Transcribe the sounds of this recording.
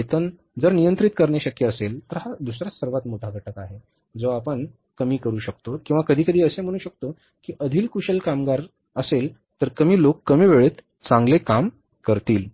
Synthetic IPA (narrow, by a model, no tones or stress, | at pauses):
et̪ən | d͡zəɾnijənt̪ɾit̪kəɾɳjaɕəkjəːselt̪əɾɦad̪usɾasəɾʋat̪moʈ̪ʰaɡʱəʈʰəkaɦe | d͡zoapəɳ | kəmiːkəɾuːɕək̚t̪okĩw̃ʋakəd̪ʱiːkəd̪ʱiːəsem̤əɽ̃uːɕək̚t̪o | kiːʔəd̪ʱiːlkuɕəlkamɡaɾ | əsel | t̪əɾkəmiːlokːəmiːʋeɭet̪ | t͡sãŋɡlekam | kəɾt̪iːl